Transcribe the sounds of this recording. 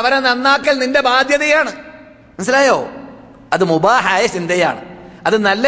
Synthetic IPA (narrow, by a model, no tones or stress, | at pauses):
ɐʋɐɾɐnɐnːaːkːɐlninde̞baːd̪ʱjɐðɐjaːɳɨ | nɐs̬ɐlaːjo̰ː | ɐðɨmubaːɦajɐsind̪ʱɐja̰ːɳɨ̰ɐðɨnɐlːɐ